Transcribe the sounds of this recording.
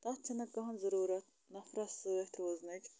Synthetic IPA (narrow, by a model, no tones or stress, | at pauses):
t̪ɐt̪t͡ʃʰɐnɐkɐɦɐnzɐɾuːɾɐt̪̚ | nɐfɾɐssɨet̪ʰɾoːznɐʈʲ